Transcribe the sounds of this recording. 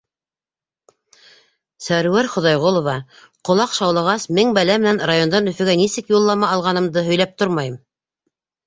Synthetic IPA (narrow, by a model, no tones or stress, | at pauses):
sæɾwæɾχŏðɑjʁolˠŏvɑ | qŏlˠɑqʃɑwlˠɑʁɑsmɘŋbælæmɘ̆nænrajo̞nd̪ɑnɵ̆fɘ̆ɡænisɘkjulˠːɑmɑɑlˠʁɑnɤ̆md̪ɤɦɵ̆jlæp̚t̪oɾmɑjɤm